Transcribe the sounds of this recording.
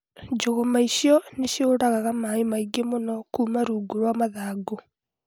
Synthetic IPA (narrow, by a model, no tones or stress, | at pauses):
d͡ʒoɣomaiɕjɔneʃjoːɾaɣaɣamaemaiɡemonɔkuːmaɾuɡoɾwamaðaːɡo